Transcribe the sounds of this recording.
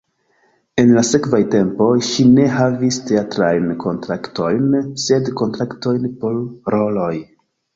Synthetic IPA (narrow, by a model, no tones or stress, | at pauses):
e̞nlase̞kvajte̞mpo̞jʃine̞ɦaviste̞atɾajnkʰo̞ntɾakto̞jnse̞dko̞ntɾakto̞jnpo̞ɾɾo̞lo̞j